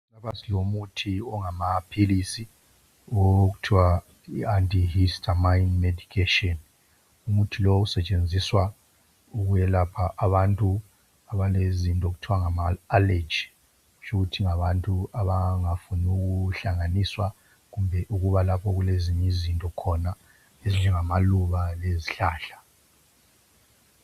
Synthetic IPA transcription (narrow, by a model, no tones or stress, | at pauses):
lapasilomutʰiɔŋamapʰilisi | ɔɣutʰiwa | iantʼihistʰʼamainmedikʰetiɔn | umutʰilousɛt͡ʃʼend͡zʱiswa | uɣujɛlapʰaʔaβantʼu | aβalezintʼɔɣutʰiwaŋamaːled͡ʒi | ut͡ʃʰʼuɣutʰiŋaβantʼuaβaŋafunuɣuɬaŋaniswa | ɣumbʱɛʔuɣuβalapʰɔɣuleziɲɛzintʼɔkʰɔna | eziɲɛŋamaluβaleziɬaːɬḁ